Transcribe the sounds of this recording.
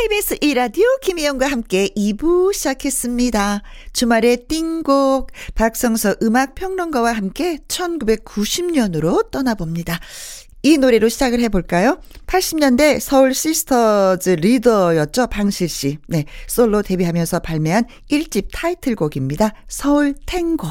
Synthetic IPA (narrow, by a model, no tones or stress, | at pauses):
ebis͈ʰɯʔiɾadiokimijʌnɡwaɦamk͈e̞ʔibuɕʰid͡ʑakʰe̞s͈ɯmɲidat͡ɕumaɾe̞t͈iŋɡok̚pak̚s͈ʌŋsʰʌʔɯmak̚pʰjʌŋnʌnɡʌwaɦamk͈e̞t͡ɕʰʌnɡube̞k̚k͈uɕʰimɲʌnɯɾot͈ʌnabomɲida | inoɾe̞ɾoɕʰid͡ʑaɡɯɭɦe̞boɭk͈ajo | pʰaɭɕ͈imɲʌnde̞sʰʌuɭɕ͈isʰɯ̥tʰʌd͡ʑɯɾidʌjʌt͡ɕ͈ʌpaŋɕʰiɭɕ͈ine̞s͈oɭːote̞biɦamjʌnsʰʌpaɭmeɦan | iɭt͡ɕ͈ip̚tʰaitʰɯɭɡoɡimɲidasʰʌuɭtʰeŋɡʌ